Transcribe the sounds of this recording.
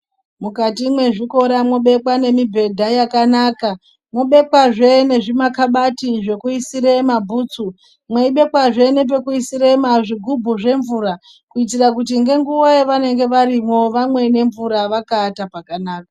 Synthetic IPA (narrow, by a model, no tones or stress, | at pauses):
mukatimwe̞ʐiko̞ɾamo̞ɓe̞kwane̞mibʱe̞dʱajakanaːka | mwo̞ɓe̞kwaʐene̞ʐimakaɓatiʐe̞kuisiɾemabʱuːt͡su | mweiɓe̞kwaʐe̞nep̬e̞kuisiɾemaʐiɡʱubʱuʐe̞ɱvuːɾa | kuit̬irakut̬iŋɡe̞ŋɡuwaeʋane̞ŋɡe̞ʋaɾimo̞ʋamwe̞ne̞ɱvuɾaʋakaːtapakanaːka